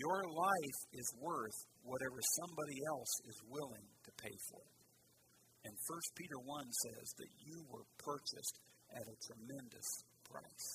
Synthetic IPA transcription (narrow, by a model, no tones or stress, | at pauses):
jə˞laɪfɪzwɜ˞θ | wʌɾɛvə˞sʌ̃mbɑɾiɛlˠsɪzwɪlˠɪ̃ŋtʰɨpʰeɪfə̰˞ɾ | ɨ̃nfɜ˞spʰiɾə˞wʌ̃nsɛ̰zðɨ̰t͡ʃɨwə˞pʰɜ˞t͡ʃɨ̰stʔɨɾɨtʰɹ̥ɨmɛ̃ndɨ̰spʰɹ̥a̰ɪs